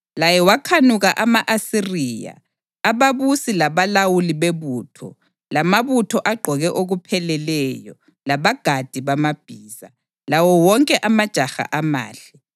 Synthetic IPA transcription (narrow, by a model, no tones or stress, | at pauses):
lajɛwakʰanuɣaʔamaʔasiriːja̰ː | βaβusilaβalawuliβeβuːtʰɔ̰ | lamaβutʰɔʔaɡ͡ǃʱɔɣɛʔoɣupʰɛlɛlɛjɔ | laβaɡ̥ʱad̥ʱiβamab̥ʱiːza | lawɔwɔŋkʼɛʔamad̥ʒ̥ʱaxa̰ʔama̰ːɬɛ